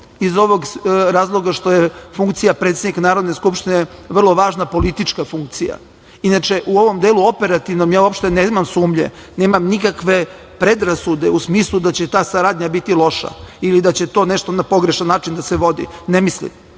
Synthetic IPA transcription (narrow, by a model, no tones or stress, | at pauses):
izo̞ʋo̞ɡɾaːzlˠo̞ɡaʃt̪o̞jefuŋkt̪sijapɾet̪sed̪niknaːɾod̪ne̞skupʃt̪ineʋr̩lˠo̞ʋaːʒnapo̞lit̪it͡ʃkafuŋk̚t̪sija̰ | inat͡ʃeʔuo̞ʋomd̪eːluo̞pe̞ɾat̪iʋnomjaːuapʃt̪enemamsuːmʎḛ | neːmamnikakʋe̞ | pɾe̞d̪ɾasud̪eusmiːslˠud̪at͡ɕet̪aːsaɾaːd̪ɲabit̪ilˠo̞ʃa̰ilid̪at͡ɕe̞t̪o̞ːneʃt̪o̞napo̞ɡɾeʃanːaːt͡ʃind̪aseʋo̞d̪ḭnemislḭm